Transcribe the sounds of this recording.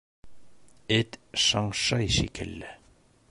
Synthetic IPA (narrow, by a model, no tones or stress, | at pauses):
ɘt̪ʃɑɴʃɑjʃikʰɘ̰̆lːɘ